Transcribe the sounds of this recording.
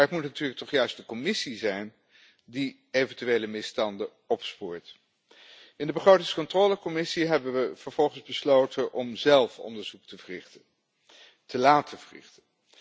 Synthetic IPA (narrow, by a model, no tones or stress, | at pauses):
ətmutnatyːɹləktɔχjœɥst̚dəkɔmɪsizɛjn | di | ejvəntyʋejləmɪstɑndə | ɔpspuːɹt | ɪndəbəχrowtɪŋskɔntroːləkɔmɪsiɦɛbənʋəv̥əɹv̥ɔlˠχənzbəslowtənʔɔmzɛlˠfɔ̰ndəɹzuk̚tərɪ | tʰəlaːtʰəvərɪ̰χtə